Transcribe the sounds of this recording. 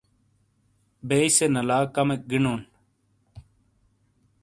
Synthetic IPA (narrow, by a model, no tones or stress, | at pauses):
besenɐlaːkɐmek̚ɡiɳoːn